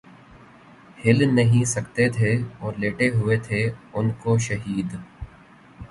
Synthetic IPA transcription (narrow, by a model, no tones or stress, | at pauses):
hɪlnɐɦĩsɐkt̪et̪ʰeɔːɾleːʈeɦʊet̪ʰeʊnkoʃɐɦiːd̪